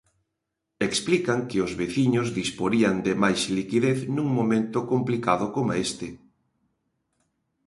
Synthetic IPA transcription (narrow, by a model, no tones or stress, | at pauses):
eksplikaŋkɪʊzβeθiɲozðispoɾiand̪ɪmajslikiðeθnũŋmomẽnt̪ʊkomplikaðʊkomaest̪ɪ